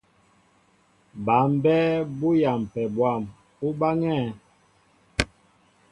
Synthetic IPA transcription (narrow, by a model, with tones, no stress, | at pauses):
ba˨˦m˦bɛ˦bo˦ja˨m˨pɛ˨bwa˦˨m | u˦ba˦ŋɛ˦˨